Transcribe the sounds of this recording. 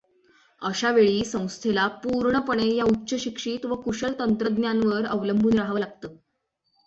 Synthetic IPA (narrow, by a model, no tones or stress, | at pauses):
əɕaʋeɭiːsə̃w̃st̪ʰelapuɾɳəpəɳ̃ejautːɕəɕikʂiːt̪ʋəkuɕəɭt̪ənt̪ɾəd̪njanʋəɾəʋləmbʱuːnɾaɦaʋəlaɡ̚t̪əː